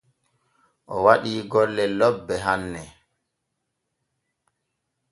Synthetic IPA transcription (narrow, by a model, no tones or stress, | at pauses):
ʔɔwaɗiːɡɔlːɛlɔbːɛɦanːɛ